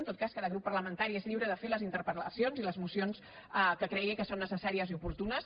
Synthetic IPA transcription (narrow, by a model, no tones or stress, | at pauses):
nt̪ot̪kaskaðəɣɾupːəɾləmənt̪aɾiezʎiwɾəðəfeləzint̪əɾpɾələsionziləzmusions | əkəkɾɛɣikəsonːəsəsaɾiəziupuɾt̪unəs